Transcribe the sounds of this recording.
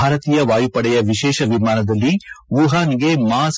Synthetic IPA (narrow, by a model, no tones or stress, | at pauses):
aːɾɐt̪iːjɐʋaːjupɐɽɛjɐʋiʃɛːʃɐʋimaːnɐd̪ɐlːiʋuɦaːniɡe̞maːs